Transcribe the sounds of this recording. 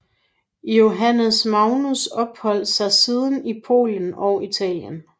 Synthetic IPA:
jo̝ɦænəsmɑ̈ʊnusɒ̽b̥hɒ̽l̰̥sɑ̈ɪsið̞ˠənipʰo̝̰ːlən̩ɒʊit͡sʰɛ̰ːljən

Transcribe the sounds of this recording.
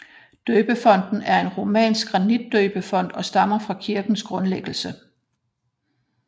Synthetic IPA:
d̥øːb̥əfɒ̽n̰d̥n̩æɐe̝nʁo̝mɛ̰ːnsɡ̥ɡʁɑ̈nid̥̚ːøːb̥əfɒ̽n̰d̥ɒ̽sd̥ɑ̈m̰ɐfʁɑ̈kʰiɐɡ̥n̩sɡ̥ʁɔ̽nleɡ̥l̩sə

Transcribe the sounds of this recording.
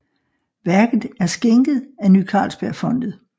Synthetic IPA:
ʋæɐɡ̥ð̩ˠæɐsɡ̥eŋɡ̥ð̩ˠænykʰɑ̰̈ːlsb̥æɐ̰fɒ̽n̰d̥ð̩ˠ

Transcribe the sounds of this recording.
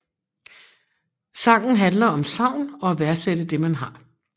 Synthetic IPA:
sɑ̈ːɡ̥n̩ɦænlɐɒ̽msɑ̈ʊ̰nɒ̽æʋæɐsed̥əd̥e̝mænɦɑ̈

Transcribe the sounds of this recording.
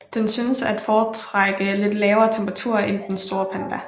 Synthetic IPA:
d̥ensyːnəsæd̥fɒːt͡sʰʁaɡ̥əle̝d̥lɛːʊɐːt͡sʰemb̥ʁɑt͡sʰṵɐ̰end̥ensd̥o̝ːɐpʰænd̥æ

